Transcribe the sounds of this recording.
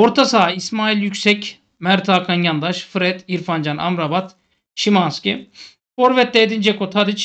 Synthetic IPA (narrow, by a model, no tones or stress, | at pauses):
oɾt̪ʰasaːismaːilʲjycʲsɛc | mæɾt̪ʰaːkʰanjand̪aʃfɯɾɛt̪iɾfand͡ʒanʔa̰mɾabat̪ | ʃimanskʲi | oɾvɛt̪̚ːɛːd̪ind͡ʒɛkot̪ʰad̪it͡ʃ